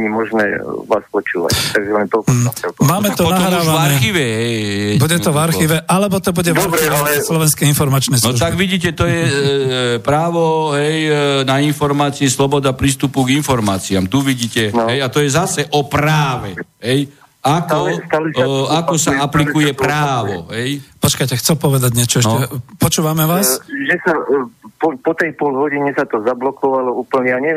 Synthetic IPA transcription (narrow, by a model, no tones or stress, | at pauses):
ɲimɔʒnɛ̰ːʋa̰ːspɔt͡ʃṵːʋa̰ct̪aɡʒɛlɛnt̪ɔɛlpmaːmɛt̪ɔpɔtɔmvaɾxiːʋɛɦɛjɛbuɟɛt̪ɔvaɾxiːʋɛʔalɛbɔt̪ɔbuɟɛaɔɾɾɛiʋalɛslɔʋɛnskɛinfɔɾmat͡ʃnɛznɔɾuʒt̪aɡʋiɟiːcɛt̪ɔjɛ | pɾaːʋɔɦɛjnainfɔɾmaːt͡siɛslɔbɔd̪apɾiːst̪upuɡinfɔɾmaːt͡siamt̪uʋiɟiːcɛnɦɛjat̪ɔjɛzasɛʔɔpɾaːʋɛɦɛj | akɔst̪alakɔsaaplikujɛpɾaːʋɔɦɛjpɔt͡ʃkajcɛxt͡sɛlpɔʋɛd̪aɟɲɛt͡ʃɔɛʃnɔɛpɔt͡ʃuːʋamɛʋaːsʒɛsapɔpɔt̪ɛjpɔlɦɔɟiɲɛsat̪ɔzablɔkɔʋalɔuːpl̩ɲɛjaɲɛ